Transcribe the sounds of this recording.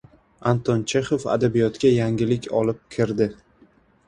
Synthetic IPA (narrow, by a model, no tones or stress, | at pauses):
ant̪ʰɒnt͡ʃʰeχofa̰d̪abijɒt̪ɡʲajaŋʲɪlɪkʲʰɒlɪp̚kʲʰɪɾd̪ɪ